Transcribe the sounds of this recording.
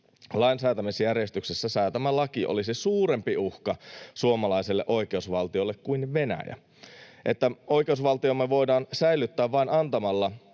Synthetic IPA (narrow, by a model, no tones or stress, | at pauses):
lɑinsæːt̪æmisjærjest̪yksesːæsɑːt̪æmælɑkiʔo̰lisisuːɾe̞mpiuhkɑsuomɑlɑiselːeʔo̞ike̞usʋɑlt̪iolːekkuinʋe̞næ̰jæ̰ | ʔet̪ːæo̞ike̞usʋɑlt̪iomːeʋo̞jdɑːnsæilːˑyt̪ːæːʋʋɑinɑnt̪ɑmɑlːɑ